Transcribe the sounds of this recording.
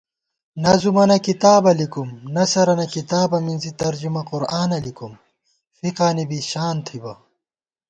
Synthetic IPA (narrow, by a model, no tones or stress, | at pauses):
nɐzumɐnɐkit̪aːbɐlikumnɐsɐɾɐnɐkit̪aːbɐminzit̪ɐɾd͡ʑumɐquɾaːnɐlikum | fiqaːnibiɕaːnt̪ʰibɐ